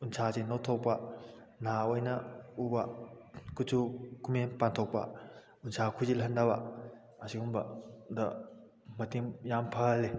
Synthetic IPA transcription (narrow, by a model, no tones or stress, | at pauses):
unsʰazenowtʰopa | naojnɐubakut͡ʃʰukumenpantʰok̚pa̰ | unsʰakʰuzilɦɐndaba̰ | ɐsiumbɐdɐ | mɐtiŋjampʰale